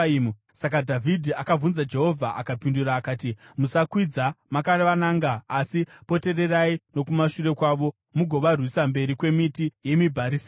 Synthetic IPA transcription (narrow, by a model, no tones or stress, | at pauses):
u | sak̬adʱavʱidʱiakavunzad͡ʒe̞ɦo̞vʱaʔakapinduɾaːkaːtimusakwid͡zamakarʋanaːŋɡaːsipo̞te̞re̞raino̞kumaʃure̞kwaːʋo̞ | muɡʱo̞ʋarwisambe̞ɾikwe̞mitije̞mibʱaɾiːs